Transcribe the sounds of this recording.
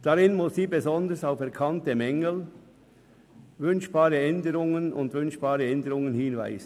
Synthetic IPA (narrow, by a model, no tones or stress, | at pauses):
d̥aʁɪnmʊsːiːbezɔndəsaʊfɛɐʁkʰɑntəmɛŋəl | vʏnʃb̥aːʁəɛndəʁʊŋənʊ̰ndvʏnʃb̥aːʁəɛndəʁʊŋənhɪːnva̰ɪz̥ən